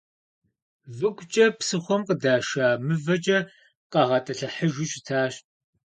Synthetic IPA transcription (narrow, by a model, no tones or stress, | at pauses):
vɨkʷʼt͡ʃʼɐpsɨxʷɔmqədaːʃaːmɨvɐt͡ʃʼɐ | qɐʁɐtʼɐɬɐħəʒɪɕʼɪtʰaːɕ